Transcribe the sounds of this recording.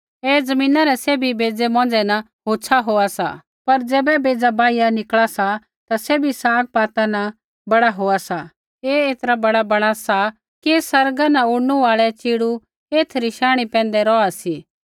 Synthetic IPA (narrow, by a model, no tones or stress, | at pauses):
eːd͡zɐmĩːnaɾɛseːbʱibeːd͡zɛmɔ̃ːnd͡zɛnɐ | ɦoːt͡ʃʰaɦoːasa̰ | pɐɾd͡zɛːbɛbeːd͡zabaːijanɪkɭasa | t̪aseːbʱisaːk̚paːt̪anɐ | bɐɽaɦoːasa | eːeːt̪ɾabɐɽabɐɽ̃asa | kesɐɾɡanaʊɽnuʋaːɭɛt͡ʃiːɽu | eːt̪ʰɾiʃaːɽ̃ipɛ̃ːnd̪ɛɾɔːasiː